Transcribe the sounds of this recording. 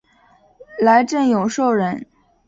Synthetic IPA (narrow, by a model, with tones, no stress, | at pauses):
la˧˥ɪʈ͡ʂə˥˩ŋjo˨˩ʊʂo˥˩ʊɻə˧˥n